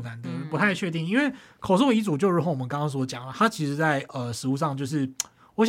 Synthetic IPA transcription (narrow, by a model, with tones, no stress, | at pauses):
na˧˦nd̪ə˨pu˧˥t̪ʰa˥˧ɪt͡ɕʰɥɛ˥˧t̪i˥˩ŋi˥nwe˥˩ɪ | kʰo˨˩ʊsu˥˩i˧˥t͡su˨˩t͡ɕjo˥˩ʊɻu˧˥xo˧˥ʊwɔ˨˩ə˦nkɑ˥ŋkɑ˥ŋs̬wɔ˥d̪ə˧t͡ɕjɑ˨˩ŋlə˩t̪ʰa˥t͡ɕʰi˧˥ʂɻ̩˧˥t͡sa˥˩ɪə˨˩ʂɻ̩˧˥u˥˧ʂɑ˥˧ŋt͡ɕjo˥˧ʊʂ̬ɻ̩˥˩ | wɔ˧˥ɕ